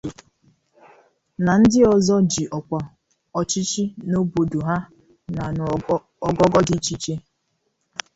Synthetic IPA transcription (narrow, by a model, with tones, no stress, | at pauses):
na˨n̩˦dɪ˦ɔ˨zɔ˦d͡ʒi˨ʔɔ˨kʷa˨ | ɔ˨t͡ʃi˦t͡ʃi˦no˦bo˨du˨ɦa˦ | na˨nʊ˨ | ɔ˨ɡɔ˦ɡɔ˦di˨t͡ʃi˦t͡ʃe˦